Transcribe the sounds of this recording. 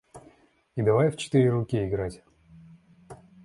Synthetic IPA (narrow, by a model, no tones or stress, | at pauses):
id̪ɐvajft͡ɕɪ̥t̪ɨɾʲɪɾʊkʲiɪɡɾatʲ